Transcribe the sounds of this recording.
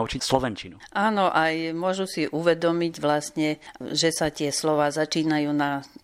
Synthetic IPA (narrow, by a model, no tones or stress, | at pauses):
ut͡ʃislɔʋɛnt͡ʃinuʔaːnɔʔajmʊɔʒusiʔuʋɛd̪ɔmiɟʋlast̪ɲɛʒɛsatɪɛslɔʋaːzat͡ʃiːnajuːna